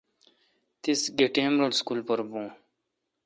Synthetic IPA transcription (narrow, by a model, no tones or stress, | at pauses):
t̪isɡeʈẽːmɾəlskuːlpəɾbũː